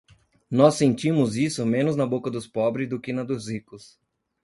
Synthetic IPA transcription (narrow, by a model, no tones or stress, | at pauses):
nɔsːẽnt͡ʃĩmʊzisʊmẽnʊznɐbokɐd̪ʊspɔbɾɪzd̪ʊkɪnɐd̪ʊzhikʊs